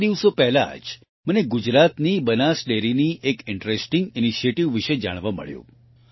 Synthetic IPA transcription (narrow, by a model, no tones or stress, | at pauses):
d̪iʋsopɛɦla̰d͡ʒ | məneɡud͡ʒɾat̪nibənasɖeɾiniʔekɪɳʈɾesʈiŋɡiniʃieʈiʋːiʃed͡ʒa̰ɽ̃ʋamə̰ɭjṵ̃